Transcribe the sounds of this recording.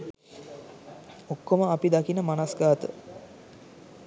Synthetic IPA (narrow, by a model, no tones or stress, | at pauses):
okːoməapid̪akinəmanasɡaːt̪ə̰